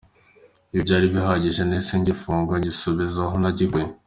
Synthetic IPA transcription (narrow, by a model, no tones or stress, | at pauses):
ibɟaːɾiβiɦaɟiʒenesiɲɟifuːŋɡwaɟisuβizaɦonaɟike